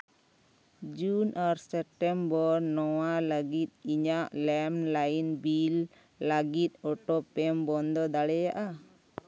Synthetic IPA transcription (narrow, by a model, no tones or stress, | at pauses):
d͡ʒunʔaɾsɛp̚ʈɛmbɔɾnɔwaləɡit̪̚iɲaʔlɛmlajnbilː | aɡit̪̚ˀɔʈɔpɛmbɔnd̪ɔd̪aɽɛjaʔa